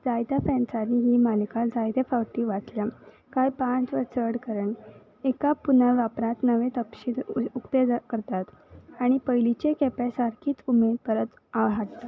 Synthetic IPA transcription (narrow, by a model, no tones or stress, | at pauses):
d͡zajd̪afɛnsaniɦiːmalikad͡zajd̪afawʈiːʋat͡s̪lja | kajpãt͡sʋəɾt͡sʰəɽkəɾəɳ | ekapunaʋjapɾãt̪nəʋẽt̪əpɕinukt̪ekəɾt̪at̪aɽ̃ipəjlit͡ɕekɛpesaɾkʰiːt͡sumepəɾət̪ | aʋɦaʈt̪a